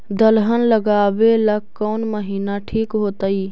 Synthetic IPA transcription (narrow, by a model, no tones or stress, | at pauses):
d̪əlɦənləɡaːwelɐkkːoːnməɦiːnaʈʰiːkɦoːt̪əiː